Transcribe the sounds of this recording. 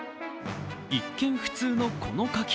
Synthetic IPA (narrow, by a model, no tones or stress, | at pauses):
ikːẽ̞ɰ̃ɸɯ̥t͡sɨːno̞kʰo̞no̞kakʲ